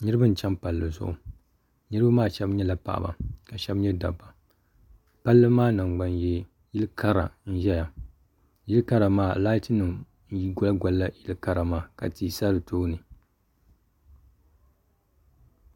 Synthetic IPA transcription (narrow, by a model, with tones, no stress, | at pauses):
nɨ˦ɾɨ˦bɨ˦n̩˨t͡ʃɛ˦mpa˨lːɨ˨zʊ̰˦˨ʔʊ˨ | nɨ˦ɾɨ˦ba˦maː˦ʃɛ˦bɲɛ˦la˨pa̰˨ʔba̰˨ka˨ʃɛ˦bɲɛ˦da˨bːa˨ | pa˦lːɨ˦maː˦nɨ˨ŋ˨ɡ͡ba˨njɛ˦ | ji˦lkʰa˦ɾa̰˨n̩˦ʒɛ˦ja˨ | ji˦lka˦ɾa˨maː˦˨la˦tɨ˦nɨ˨m | n˨˦ji˦ɡʊ˦la˦ɡʷa˨lːa˦ji˦lka˦ɾa˨maː˦˨ka̰˨ti˨sa˦ɾɨ˨tʰoː˦nɨ˨